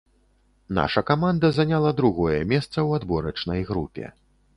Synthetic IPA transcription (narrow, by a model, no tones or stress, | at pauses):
na̰ʂɐkamand̪ɐzanʲalˠɐd̪ɾuɣɔjɛmʲɛst̪sɐwad̪bɔɾɐt͡ʂnɐjɣɾupʲɛ̰